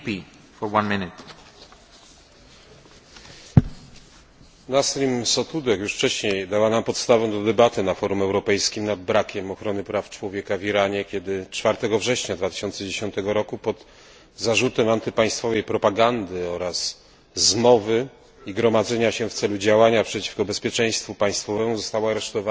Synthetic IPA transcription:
pi | fɔwãnmɪnɪt̪ | nast̪ɾimsɔt̪ud̪ɛkjuʂft͡ʂɛɕɲejd̪awanampɔt̪st̪avɛ̃w̃d̪ɔd̪ɛbat̪ɘnafɔɾumɛwɾɔpɛjskʲimnad̪̚bɾakʲɛmɔxɾɔnɘpɾaft͡ʂwɔvʲjɛkaviɾaɲɛkʲɛd̪ɘt͡ʂfaɾt̪ɛɡɔvʐɛɕɲad̪vat̪ɘ̥ɕɔntsɛd͡ʑeɕɔnt̪ɛɡɔɾɔkupɔd̪ | zaʐut̪ɛmant̪ɘpaj̃st̪fɔvɛjpɾɔpaɡand̪ɘɔɾas | zmɔvɘ | iɡɾɔmad̪zɛɲaɕɛft̪sɛlud͡ʑawaɲapʂɛt͡ɕi̥fkɔbɛspʲjɛt͡ʂɛ̃j̃st̪fupaj̃st̪fɔvɛmuzɔst̪awaaɾɛʂt̪ɔva

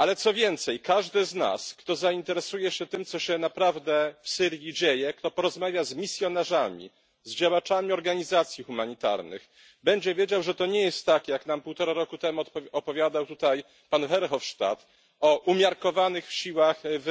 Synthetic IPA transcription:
alɛt̪sɔvʲjɛnt̪sɛjkaʐd̪ɘzna̰skt̪ɔzaint̪ɛɾɛsujɛɕɛt̪ɘmt̪sɔɕɛnapɾavd̪ɛfsɘɾjid͡ʑejɛkt̪ɔpɔɾɔzmavʲjazmʲisʲjɔnaʐamʲḭ | zd͡ʑawat͡ʂamʲiɔɾɡaɲizat̪sʲjixumaɲit̪a̰ɾnɘ̰x | bɛɲd͡ʑɛvʲjed͡ʑawʐɛt̪ɔɲɛjɛst̪ːakjaknampuwt̪ɔɾaɾɔkut̪ɛmuɔpɔvjad̪awt̪ut̪aj | panxɛɾxɔfʂt̪a̰t̪ | ɔʔumʲjaɾkɔvanɘxɕiwaxv

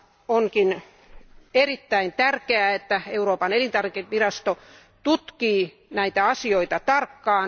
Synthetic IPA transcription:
oŋkin | erit̪ːæint̪ærkeæet̪ːæeuɾoːpɑnelint̪ɑrikiʋirɑst̪o | t̪ut̪kiː | næit̪æɑsioit̪ɑt̪ɑrkːɑːn

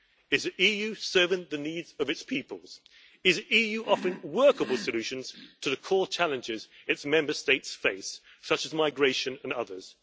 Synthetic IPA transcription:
ɪzɨʔijʉsɜ˞vɪ̃ŋðɨnidzʌvɨtspʰiˑpəlˠz̥ | ɨzɨʔijʉʔɒfəɪ̃nwɜˑ˞kəbəlˠsəlʉʃɨ̃nz̥tʰəðɨkʰɔːt͡ʃʰælˠɨ̃nd͡ʒɪzɨtsmɛ̃mbə˞steɪtsfeɪs | sʌt͡ʃɨzmaɪɡɹeɪʃɨ̃nə̃nʌ̰ðə˞z̥

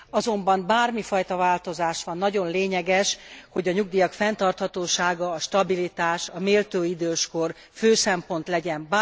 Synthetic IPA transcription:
ɒzo̞mbɒmbaːrmifɒjt̪ɒvaːlt̪o̞zaːʃʋɒnːɒɟo̞nleːɲɛɡɛʃho̞ɟɒɲuɡ̚d̪iːjɒkfɛnt̪ɒrt̪hɒt̪oːʃaːɡɒːʃt̪ɒbilit̪aːʃɒmeːlt̪øːid̪øːʃko̞r | føːsɛmpo̞n̪t̪lɛɟɛmba

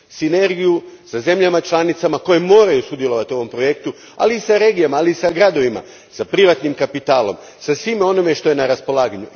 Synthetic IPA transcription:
sine̞ɾɡijusaze̞mʎamat͡ʃlˠanit̪samako̞je̞mo̞ːɾajusud̪je̞lˠo̞ʋat̪io̞ʋo̞mpɾo̞je̞kt̪u | a̰liːsaɾe̞ːɡijamaːliːsaɡɾad̪o̞ʋima̰ | sapɾiʋat̪nimkapit̪aːlo̞̰m | sasʋimo̞nome̞ʃt̪o̞je̞naɾaspo̞lˠaːɡaɲu

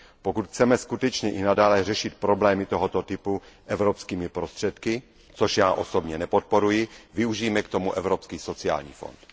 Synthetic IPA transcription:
pokut̪xt͡sɛmɛskut̪ɛt͡ʃɲɛʔɪnadaːlɛr̝ɛʃɪt̪̚pɾoblɛːmɪt̪o̞ɦot̪ot̪ɪpuʔɛvɾopskiːmɪpɾo̞st̪r̝̥ɛt̪kɪ | t͡soʃjaːʔo̞so̞bɲɛnɛpot̪̚po̞ɾujɪvɪuʒiːmɛkt̪o̞muʔɛvɾopskiːso̞t͡sɪa̰ːlɲḭːfo̞̰nt̪

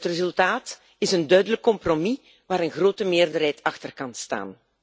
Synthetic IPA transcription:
ətrezɵlˠtaːt | ɪsəndœɥdələkːɔmpromi | ʋaːɾənɣroːtəmɪːrdərɦɛjtʰɑxtərkɑnsta̰ːn

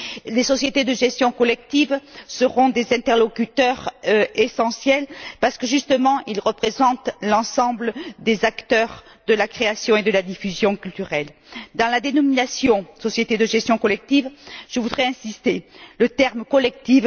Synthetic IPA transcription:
lesɔsjet̪ed̪əʒɛst̪jɔ̃kɔlɛk̚t̪ivsəʁɔ̃d̪ezɛ̃t̪ɛʁlɔkʲyt̪œʁesɑ̃sjɛlpaʁsə̥kəʒyst̪əmɑ̃ʔilʁəpχezɑ̃t̪lɑ̃sɑ̃bləd̪ezakt̪œʁ | d̪əlakχeasjɔ̃ed̪əlad̪ifyzjɔ̃kʲylt̪yʁɛl | d̪ɑ̃lad̪enɔminasjɔ̃sɔsjet̪ed̪əʒɛst̪jɔ̃kɔlɛk̚t̪ivʒ̥əvud̪ʁɛɛ̃sist̪elət̪ɛʁmkɔlɛk̚t̪iv

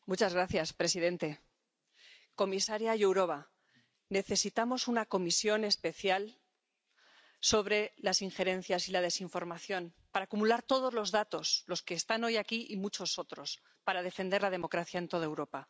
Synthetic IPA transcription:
mut͡ʃazɣɾaθjaspɾe̞sið̞e̞nt̪e̞ | ko̞misaɾjajewɾo̞βa | ne̞θe̞sit̪amo̞sunako̞misjone̞spe̞θjal | so̞βɾe̞lasiŋxe̞ɾẽ̞nθjasilað̞e̞siɱfo̞ɾmaθjo̞n | paɾaːkumulaɾt̪o̞ðo̞zlo̞zðat̪o̞slo̞ske̞ːst̪ano̞jakiʔimut͡ʃo̞so̞t̪ɾo̞s | paɾað̞e̞fe̞nd̪e̞ɾlað̞e̞mo̞kɾaθjae̞nt̪o̞ðaewɾo̞pa

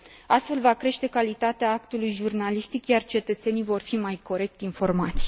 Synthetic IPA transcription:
ast̪fe̞lvakɾe̞ʃt̪e̞kalit̪at̪eaak̚t̪ulujʒurnalist̪ikjart͡ʃe̞t̪ət̪se̞nijvo̞rfimajko̞ɾe̞k̚t̪info̞rmat̪sʲ

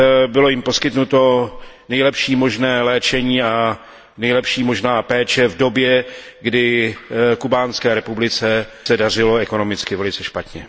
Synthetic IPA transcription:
bɪlo̞jɪmpo̞skɪt̪nut̪o̞ | nɛjlɛpʃiːmo̞ʒnɛːlɛːt͡ʃɛɲiːa | nɛjlɛpʃiːmo̞ʒnaːpɛːt͡ʃɛvdo̞bjɛ | ɡdɪ | kubaːnskɛːɾɛpublɪt͡sɛsɛdar̝ɪlo̞ɛko̞no̞mɪt͡skɪvɛlɪt͡sɛʃpat̪ɲɛ

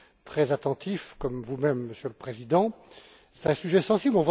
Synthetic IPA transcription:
t̪χɛzat̪ɑ̃t̪ʰifkɔmvumɛmːəsjøləpχezid̪ɑ̃ | sɛ̥t̪ɛ̃syʒɛsɑ̃siblɔ̃vwa

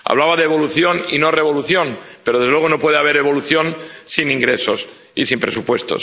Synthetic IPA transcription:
a̰β̞laβaðeβo̞luθjonino̞re̞β̞o̞luθjo̞npe̞ɾoðzelweɣo̞no̞pwe̞ðeaβ̞eɾe̞β̞o̞luθjonsiniŋɡɾeso̞s | isimpɾe̞supwe̞st̪o̞̰s

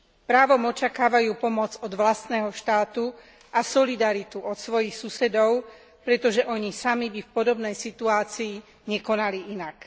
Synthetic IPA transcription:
pɾaːʋɔmɔt͡ʃakaːʋajuːpɔmɔd͡zɔd̪ʋlast̪nɛːɦɔʃt̪aːt̪u | ʔasɔlid̪aɾit̪uʔɔt̪sʋɔjixsusɛd̪ɔʊ | pɾɛt̪ɔʒɛʔɔɲisamibifpɔd̪ɔbnɛjsit̪uaːt͡siː | ɲɛkɔnaliʔinak

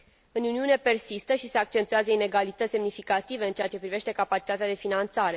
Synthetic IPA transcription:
ɨnuniune̞pe̞rsist̪əʃise̞ak̚t͡ʃe̞nt̪uazəine̞ɡalit̪ət̪sʲse̞mnifikat̪ive̞ɨnt͡ʃeat͡ʃe̞pɾive̞ʃt̪e̞kapat͡ʃi̥t̪at̪ead̪e̞finant̪saɾe̞

